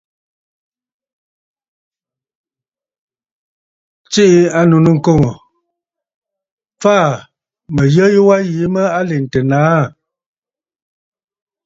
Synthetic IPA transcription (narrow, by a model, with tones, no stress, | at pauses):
t͡ʃi˦ʔi˦a˦nu˨nu˦˨ŋ̩˦˨ko˦˨ŋo˨ | faː˦˨ | mə˨jə˦jwa˦ji˨˦mə˦a˦le˨n̩˨tə˨naː˨˦˨